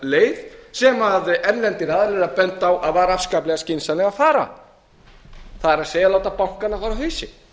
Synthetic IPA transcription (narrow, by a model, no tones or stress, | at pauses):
leːjðsɛmaðɛnlɛnt̪ɪɾaːðɾɛɾapɛnt̪awʔaðvaːɾaafskaːplɛɣascɪnsanɛɣafaːɾa̰ | θaðɛɾaðseːjaloːwt̪apawŋ̥kanːafʰaɾawheːsɪ̰